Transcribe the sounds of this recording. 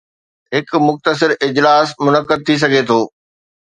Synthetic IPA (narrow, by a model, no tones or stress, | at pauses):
ɦɪkmʊxt̪əs̬ɪɾɪd͡ʑlaːsmʊnəkːəd̪̚t̪ʰis̬ɐɡʱet̪ʰoː